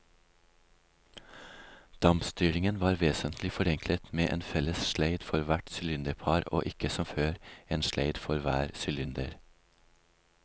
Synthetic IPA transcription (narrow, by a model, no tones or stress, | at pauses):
d̪̥ɑmpst̪yːɾɪŋənʋɑːɾʋeːsənt̪lɪfɔɾɛŋklət̪meːʔḛːnfɛləsʃleɪd̪fɔɾʋæʈsʏlʏnd̪əɾpʰɑːɾo̰ːʔɪkəsɔmføːɾeːnʃleɪd̪fɔɾʋæ̰ːɾsʏlʏnd̪ə̰ɾ